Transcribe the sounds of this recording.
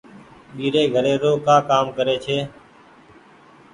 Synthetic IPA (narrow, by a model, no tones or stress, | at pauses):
ɓiːɾeːɡʱəɾeːɾoːkãːkaːmkəɾeːt͡ʃʰeː